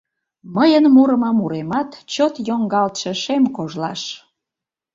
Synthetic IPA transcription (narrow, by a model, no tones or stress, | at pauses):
məjənmuɾəmɑmuɾemɑt̪t͡ɕot̪joŋɡɑlt̪ʃeʃemkoʒlɑʃ